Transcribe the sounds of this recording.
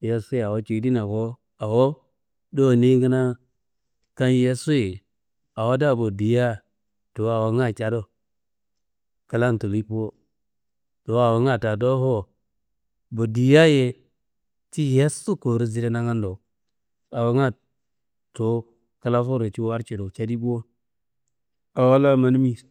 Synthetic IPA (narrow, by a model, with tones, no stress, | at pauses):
je˦su˦ja˨wo˦t͡ʃi˨˦di˦na˨ko˦ | a˨wo˦ | do˦˨ni˦ɡə˦na˦ | ka˦n˦je˦su˦je˨ | a˨wo˦da˦˨bo˨di˨ja˦ | to˨a˨wo˨ŋa˦˨t͡ʃa˨do˦ | ka˦la˦nto˨li˦po˦ | to˨a˨wo˨˦ŋa˦˨ta˨do˦ɦo˦ | bo˨di˨ja˦je˦ | ti˦je˦su˦ko˨ɾi˦zi˨ɾe˦na˦ŋa˦ndo˨ | a˨wa˨ŋa˦ | to˨˦ | ka˦la˦fo˦ɾe˨t͡ʃi˦wa˦ɾt͡ʃe˨do˨t͡ʃa˦di˦bu˦o˦ | a˨wa˦la˦ma˦n˦mi˦